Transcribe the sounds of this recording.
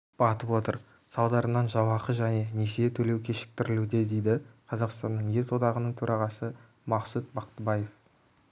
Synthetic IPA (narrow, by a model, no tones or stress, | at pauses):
b̥ɑt̪əpwo̞t̪ə̰ɾ | sɑlˠd̪ɑɾənɑnʒɑwɑqəʒæne̞ne̞seet̪ʰɵle̞wkʲʰe̞ʃɪ̥k̚t̪ɪɾɪlud̪e̞d̪e̞jd̪ɪqʰɑzɑqst̪ɑnːəɴje̞ɾsʰod̪ɑʁənəɴt̪ʰɵɾʔɑʁɑsə | mɑqsut̪̚bɑqt̪əbɑje̞f